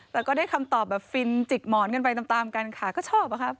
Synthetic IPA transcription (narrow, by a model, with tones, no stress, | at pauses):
lɛː˧˦˥wkɔː˥˩daː˥˩jkʰa˧mt̪ɔː˨˩p̚bɛː˨˩p̚fi˧nt͡ɕi˨˩k̚mɔː˨˩˦nkɤ˧np̬a˧jt̪a˨˧˩mt̪aː˧mkaː˧nkʰaː˨˦kɔː˥˩t͡ɕʰɔː˥˩p̚ːa˧˦kʰa˦˥p̚